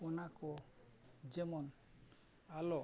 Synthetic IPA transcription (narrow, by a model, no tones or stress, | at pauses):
unako | d͡ʒemɔn | alo